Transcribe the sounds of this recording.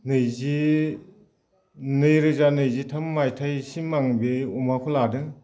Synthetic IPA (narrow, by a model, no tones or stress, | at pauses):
nɯjzi | nɯjɾɯzanɯjzitʰamːajtʰajsimaŋbeumakʰɔladɯŋ